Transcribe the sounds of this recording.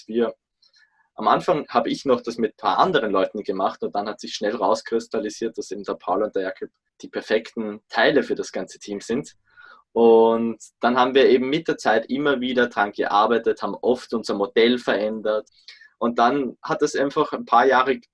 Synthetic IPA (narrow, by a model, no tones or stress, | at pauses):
v̥iːɐ | ʔamʔa̰nfaŋhaːbəɪçnɔχd̥asmɪt̚pʰa̰ːɐʔa̰ndəʁənlɔʏtn̩ɡ̥əmaχtʊnt̚d̥anhatsɪçʃnɛlʁaʊskʁ̥ɪstʰaliziːɐt̚d̥asʔeːbm̩d̥ɛɐpʰaʊlʊntd̥ɛɐjaːkʰɔp | d̥iːpʰɛɐfɛktn̩tʰaɪləfyːɐɾasɡ̥ant͡sə̥tʰiːmz̥ɪnt | ʔʊntd̥anhaːbm̩viːɐeːbm̩mɪt̚d̥eːɐt͡saɪtʔɪmɐviːdɐdʁaŋɡ̥ə̰ʔa̰ɐbaɪtəthaːbm̩ʔɔftʔʊnzɐmod̥ɛlfɛɐʔɛndɐt | ʔʊnt̚d̥anhat̚d̥asʔaɪnfaχænpʰaːɐjaːʁə